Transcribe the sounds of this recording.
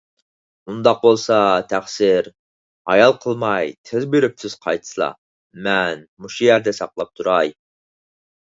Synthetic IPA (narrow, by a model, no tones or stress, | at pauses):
und̪ɑq̚bolˠsɑt̪ʰæχsɪɾ | ɑ̰jɑlˠqʰəlˠmɑjt̪ʰɪzbyɾyp̚sʰɪz̥qʰɑjt̪ʰɨ̥slˠɑ̰ | mɛnmuʃujæɾd̪ɛsɑqlˠɑp̚t̪ʰuɾɑj